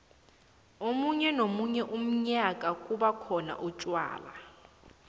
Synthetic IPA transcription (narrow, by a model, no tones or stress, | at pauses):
omuɲɛnomuɲɛʔum̩ɲakʼakʼuɓakʰɔna̰ʔut͡ʃʼwa̰ːla̰